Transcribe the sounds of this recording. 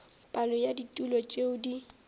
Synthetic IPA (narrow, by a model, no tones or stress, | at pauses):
pʼalɔjaditʼulɔt͡ʃʼeʊdi